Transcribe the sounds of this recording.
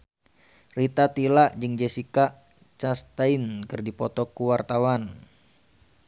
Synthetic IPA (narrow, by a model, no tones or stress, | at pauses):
rit̪at̪ilaʔd͡ʒɨŋd͡ʒesika | t͡ʃast̪ainkɨrdipɔt̪ɔkuwart̪awan